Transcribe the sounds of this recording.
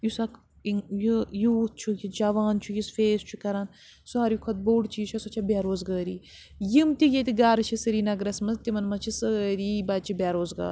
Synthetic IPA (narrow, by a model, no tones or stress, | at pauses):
jusɐk | jujuːt̪̚t͡ʃʰujid͡ʒɐʋaːnt͡ʃʰujisfeːst͡ʃʰukɐɾan | suaːɾjikʰɐt̪̚boːɽt͡ʃit͡ʃʰɐsɐt͡ʃʰɐbʲaːɾoːzɡaːɾḭː | jimt̪iɡʲet̪̬ʲiɡaːɾɨt͡ʃʰisɨɾiːnɐɡɾɐsmɐzt̪imɐnmɐt͡ʃʰisəɾibad̪̚t͡ʃʰibʲaːɾoːzɡa̰ːɾ